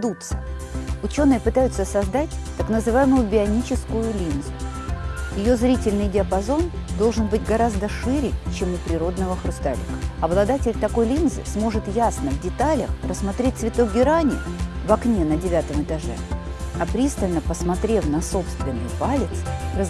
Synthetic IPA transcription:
d̪ut̪sə̥ | ʊt͡ɕo̞nːɨjəpɨt̪ajʊt̪səsɐzd̪atʲt̪ɐknəzɨvajɪmʊjʊbʲɪɐnʲit͡ɕɪskʊjʊlʲinzʊ | jɪjo̞zɾʲitʲɪlʲnɨjdʲɪəpɐzo̞nd̪o̞lˠʐɨnbɨtʲɡɐɾazd̪əʂɨɾʲɪjt͡ɕe̞mʊpɾʲɪɾo̞d̪nəvəxɾʊst̪a̰lʲɪ̰kəɐblˠɐd̪atʲɪlʲt̪ɐko̞jlʲinzɨ̰smo̞ʐɨt̪jasnəvdʲɪt̪alʲə̰xrəsːmɐt̪ɾʲet̪̚ʲsvʲɪt̪o̞ɡʲɪɾanʲɪ̰vɐknʲenədʲɪvʲat̪əmɨt̪ɐʐɛ̰ | ɐpɾʲist̪əlʲnəpəsmɐt̪ɾʲe̞fnɐso̞pst̪vʲɪnːɨ̰jpalʲɪt̪srəz

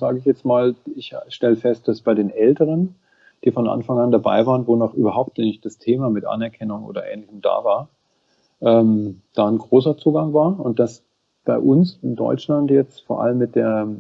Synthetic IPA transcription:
z̥aːɡəɪçjɛt͡stmaːlɪçʃtɛləfɛst̚d̥asb̥aɪɾeːnʔɛltəʁ̞ən | d̥iːfɔnʔa̰nfaŋandaba̰ɪvaːʁənvoːnaːχʔyːbɐɦaʊp̚tnɛɪç̚d̥astʰeːmaːmɪtʔa̰nɛɐkʰɛnʊŋʔo̰ːdɐʔɛ̰ːnlɪçəmd̥a̰ːvaːɐ | ʔɛːmd̥aːnɡʁoːsɐt͡suːɡaŋvaːɐʊnt̚d̥as | b̥aɪʔʊnsɪndɔ̰ʏt͡ʃlantjɛt͡stfoːɐʔa̰ləmːɪt̚d̥eːɐ

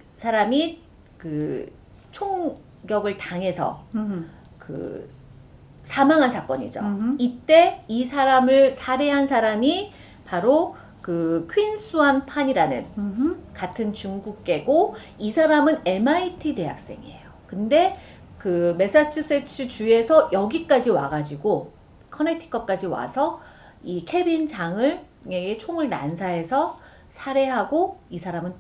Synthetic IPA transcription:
sʰaɾami | kɯ | t͡ɕʰoŋ | ɡjʌɡɯɭtaŋɦe̞sʰʌ̰ | kɯ̰ | sʰamaŋɦansʰak͈ʌ̰ɲḭd͡ʑo̰it͈e̞isʰaɾamɯɭsʰaɾe̞ɦansʰaɾami | paɾo | kɯkʰɥins͈ʰuanpʰaɲiɾanɯ̰nkatʰɯnt͡ɕuŋɡuk̚k͈e̞ɡoisʰaɾamɯne̞maitʰide̞ɦa̰k̚s͈e̞̰ŋḭe̞̰jokɯnde̞ | kɯme̞s͈at͡ɕʰɯs͈et͡ɕʰɯt͡ɕue̞sʰʌjʌɡik͈ad͡ʑiwa̰ɡad͡ʑiɡo | kʰʌnetʰi̥k͈ʌk͈ad͡ʑiwa̰sʰʌ | ikʰe̞bint͡ɕaŋɯɭ | ŋeɡet͡ɕʰoŋɯɭna̰nsʰae̞sʰʌ | sʰaɾe̞ɦaɡoisʰaɾamɯn

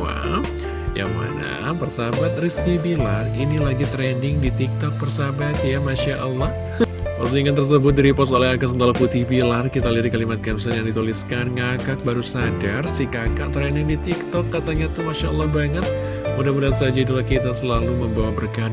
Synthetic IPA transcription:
wa̰ | ja̰ŋma̰na̰pərsabat̪̚riskibilarinilaɡit̪ɾɛndɪŋdit̪ik̚t̪ɔk̚pərsabat̪jamaʃaʔəlːɔh | aɾusiŋant̪ərs̬əbʊt̪̚diɾipɔsolɛɦakas̬ənt̪alaput̪ibilarkit̪aliaddikalimat̪̚kɛmsɛnjaŋdit̪uliskanŋakak̚baɾusadarsikakaʔ̚t̪ɾɛndɪŋdit̪ikt̪ɔkːat̪aɲat̪umaʃaʔəlːɔhbaŋət̪̚ | mudahmudasad͡ʒaidulahkit̪asəlaluməmbawabərkad

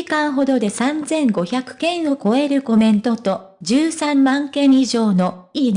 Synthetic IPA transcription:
ikãɰ̃ɦo̞d̪o̞d̪e̞sãnd͡zẽ̞ŋɡo̞çakɯ̟̥kẽ̞ɰ̃o̞ko̞e̞ɾɯ̟ko̞mẽ̞nt̪o̞t̪o̞ | d͡ʑɨːsãmːãŋkẽ̞ɰ̃iʑo̞ːno̞iː

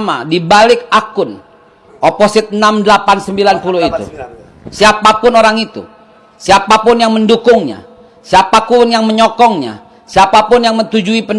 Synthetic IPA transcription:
ma̰dibalɪk̚akʊn | ʔoposɪt̪̚ənamdəlapansəmbilanpulʊhit̪ṵ | siapapʊnoɾaŋit̪ṵ | siapapʊnjaŋməndukʊŋɲa̰ | siapapʊnjaŋməɲɔkɔŋɲa̰ | siapapʊnjaŋmənt̪ud͡ʒuipən

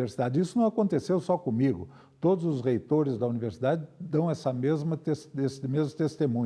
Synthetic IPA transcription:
eɾsid̪ad͡ʒɪisʊnɐ̃w̃akõnt̪esewsɔkõmiɡʊ̰ | t̪od̪ʊzʊzʁejt̪oɾɪzd̪ɐuniveɾsid̪ad͡ʒɪd̪ɐ̃w̃ɛsɐmezmɐesesɪmezmʊt̪est̪emũɲ

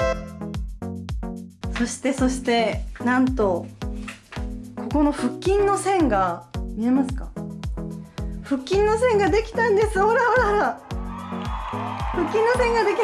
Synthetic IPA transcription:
so̞ɕi̥t̪e̞so̞ɕi̥t̪e̞nãnt̪o̞ | ko̞ko̞no̞ɸɯ̟kʲːĩnːo̞sẽ̞ŋɡamʲie̞masɨ̥kḁ | ɸɯ̟kʲːĩnːo̞sẽ̞ŋɡad̪e̞kʲi̥t̪ãnd̪e̞sɨoɾaoɾaɾa | ɸɯ̟kʲːĩnːo̞sẽ̞ŋɡad̪e̞kʲi

